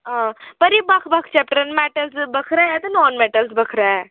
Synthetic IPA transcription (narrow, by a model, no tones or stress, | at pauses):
ãpəɾibakʰbakʰt͡ʃɛp̚ʈɾənmɛʈəlsbəkʰɾaɛt̪ənɔːnmɛʈəlsbəkʰɾaɛ